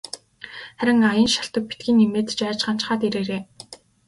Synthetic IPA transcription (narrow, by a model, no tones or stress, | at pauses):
χæɾʲɪ̆ŋajə̆nʃḁɬt̪ə̆k̚pi̥t̪̚ɡʲiːnimeːt̪t͡ɕæːt͡ɕɢan̥t͡ɕ̆χaːt̪eɾeːɾeː